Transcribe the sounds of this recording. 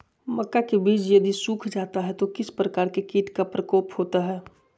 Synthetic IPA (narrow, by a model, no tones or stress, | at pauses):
mɐkːakebiːt͡ʃjɐd̪isuːkʰd͡ʒaːt̪aɦɛt̪okɪspɾɐkaːɾkekiːt̪kapɾəkɔːphoːt̪aɦɛː